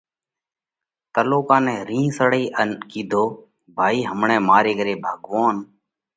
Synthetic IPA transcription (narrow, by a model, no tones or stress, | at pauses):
t̪əloːkãːnɛ̃ːɾĩːsəɽiːʔənkiːd̪ʱoː | bʱaːiːɦəmɳɛ̃ːmaːɾeːkəɾeːbʱaːɡʋaːn